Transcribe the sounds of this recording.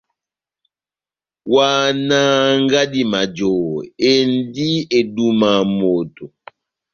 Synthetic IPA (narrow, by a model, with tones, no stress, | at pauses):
waː˨na˦ŋ˦ɡa˦di˦ma˨d͡ʒo˨e˨n˦di˦e˨du˦ma˨mo˨to˨